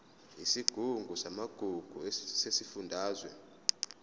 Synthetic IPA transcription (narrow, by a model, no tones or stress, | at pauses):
isiɡ̥ʱuŋɡʱusamaɡ̥ʱuɡ̥ʱusesifundʱaːzwɛ̰